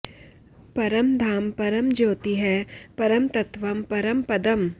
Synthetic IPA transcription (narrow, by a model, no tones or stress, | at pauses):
pɐɾəmd̪ʱaːmpɐɾəmd͡ʒoːt̪iɦɛːpɐɾəmt̪ɐt̪ʋɐmpɐɾəmpɐd̪əm